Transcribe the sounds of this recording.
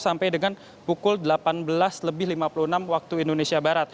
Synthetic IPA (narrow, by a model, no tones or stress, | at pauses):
sampajdəŋan | pukʊldəlapanbəlasləbɪhlimapuluənamwak̚t̪uindonesiabaɾat̪̚